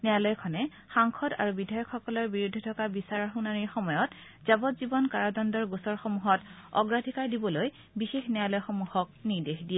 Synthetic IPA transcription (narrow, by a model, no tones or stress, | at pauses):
nɛalɔjkʰɔnɛ | xaŋkʰɔda̰ɹubidʱajɔkʰxɔkɔlɔɹbiɹudʱɔtʰɔkabisaɹɔɹxunaɹiɹxɔmɔjɔt | z̥abɔtzibɔnkaɹɔdɔndɔɹɡusɔɹxɔmuɦɔtɔ̰ɡɹadʱikaɹdibɔloj | bixexnɛalɔjxɔmuhɔk̚niɹdexdijɛ